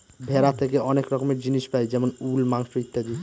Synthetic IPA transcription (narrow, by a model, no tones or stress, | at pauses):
bʱeɾat̪ʰekeɔnekɾɔkomeɾd͡ʑiniʃpajd͡ʒɛmonulmaŋʃoit̪ːad̪i